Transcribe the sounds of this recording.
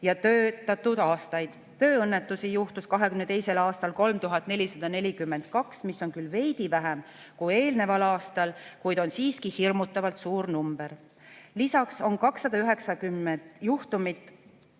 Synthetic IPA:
jɑt̪øːt̪ːˑɑt̪ːˑud̪̥ɑːst̪ɑjd̪̥ | t̪ø̞ːɤnːet̪ːˑusijuht̪uskɑɦe̞kymne̞t̪e̞jse̞lɑːst̪ɑlko̞lmt̪uɦɑt̪ːˑne̞lʲisɑd̪̥ɑne̞lʲikymːe̞nd̪kɑksmisːo̞nkylve̞jd̪̥ivæɦem | kuje̞ːlne̞vɑlɑːst̪ɑlkujd̪̥o̞nsiːskihirmut̪ːˑɑvɑlt̪suːɾnumb̥e̞ɾ | lisɑkso̞nkɑksːɑd̪ɑyɦe̞ksɑkymːend̪̥juht̪umit̪ˑ

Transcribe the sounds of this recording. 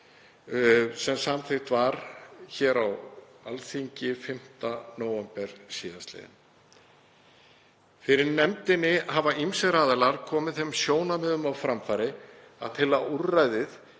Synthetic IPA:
sɛmsamθʰɪxt̪vaɾçɛːɾawa̰lsiɲcɪfɪm̥t̪anoːwɛmpɛɾ̥siːðast̪lɛ̰ðɪ̰n | fɪɾɪɾnɛmt̪ɪnːɪhavaʔimsɛɾaːðɛlaɾ̥kʰɔːmɪðθemsjoːwnamɛːðʏmawfɾamfajɾɪ | a̰ðt̪ʰɪlaurːajðɪð

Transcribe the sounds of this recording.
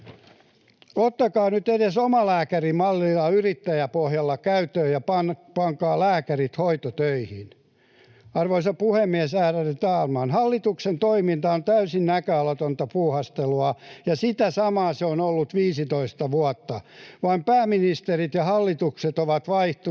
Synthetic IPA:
ot̪ːɑkɑːnyt̪edesomɑlæːkærimɑlːilɑyrit̪ːæjæpohjɑlːɑkæyt̪øːjɑpɑnpɑŋkɑːlæːkærit̪hoit̪ot̪øihin | ɑrʋoisɑpuhemːiɛsæːrærit̪ɑːlmɑnhɑlːit̪uksent̪oimint̪ɑont̪æysinnækøɑlot̪ont̪ɑpuːhɑst̪eluɑjɑsit̪æsɑmɑːseonolːut̪ʋiːsit̪oist̪ɑʋuɑt̪ːɑʋɑimpæːminist̪erit̪jɑhɑlːit̪ukset̪oʋɑt̪ʋɑiht̪u

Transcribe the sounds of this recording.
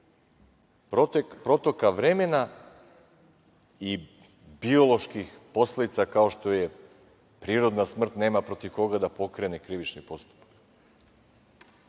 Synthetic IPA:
pɾo̞t̪o̞kaʋɾemena | i | bio̞lˠo̞ʃkixpo̞sled̪it̪sakao̞ʃt̪o̞je | pɾiːɾo̞d̪nasmr̩t̪neːmapɾo̞t̪iʋko̞ɡad̪apo̞kɾenekɾiʋit͡ʃnipo̞st̪u̥pḁk

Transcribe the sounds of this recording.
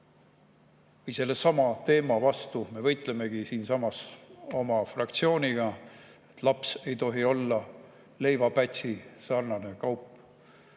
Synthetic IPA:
vɤjse̞lːesɑmɑt̪e̞ːmɑvɑst̪ume̞vɤjt̪ˑle̞me̞ɡ̥isiːnsɑmɑso̞mɑfrɑkt̪sio̞ːnʲiɡ̥ɑe̞̥t̪lɑpse̞jt̪o̞ɦio̞lːɑ | le̞jvɑpæt̪ʲsisɑːrnɑne̞kɑwpːˑ

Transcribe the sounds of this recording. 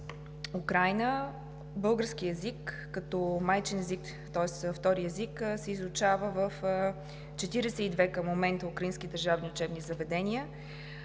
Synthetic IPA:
ukɾajnə | bɤlˠɡəɾskiɛzikː | ət̪ɔmajt͡ʃɛnɛzik | t̪ɔɛsft̪ɔɾiɛzikːsɛizʊt͡ʃavəvəf | t͡ʃɛt̪iɾɛsɛid̪vɛkəmomɛnt̪əukɾəinskid̪əɾʒavniʊt͡ʃɛbnizɐvɛd̪ɛnʲiə

